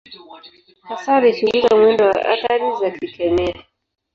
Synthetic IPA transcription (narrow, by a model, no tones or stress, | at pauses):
hasaɾiʃuɡulizamwɛndɔwa̰ʔa̰kaɾizakikɛmɛa